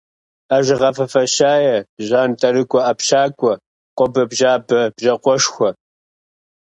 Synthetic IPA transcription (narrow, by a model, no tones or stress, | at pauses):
aʒɪʁɐfɐfɐɕaːjɛʑaːntʼɐɾɨkʷʼɔɐpɕaːkʷʼɔ | qʷʼɔbɐbʒaːbɐbʒɐqʷɔʃxʷɔ